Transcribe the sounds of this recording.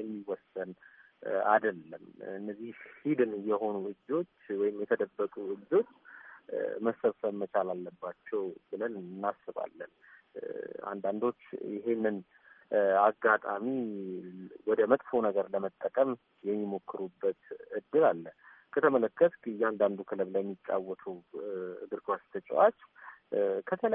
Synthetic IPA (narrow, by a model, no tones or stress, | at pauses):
jɛmːiwɔsən | a̰d̪əlːəmɨnːəzːihhid̪ɨnjɛho̞nuɨd͡ʒo̞t͡ʃːwɔjɪmjɛt̪ʰəd̪əbːəkʼuɨd͡ʒo̞t͡ʃː | məsəβsəβmət͡ʃʰalalːəbːat͡ʃːɛwbɨlənɨnːasːɨβa̰lːə̰n | a̰nd̪and̪o̞t͡ʃːjɪɦe̞nːɨn | aɡat̪ʼami | wɔd̪əmət̪ʼfonəɡəɾləmət̪ʼːəkʼəm | jɛmːimo̞kʰːɨɾubːət̪ɨd̪ːɨlalːə | kʰət̪ʰəmələkːət̪kɨjand̪and̪ukʰɨləβləɛmːit͡ʃʼːa̰wːɔt̪ʰuwɨɡ̪ɨɾkʰast̪ʰət͡ʃʼwat͡ʃː | kʰət̪ʰələ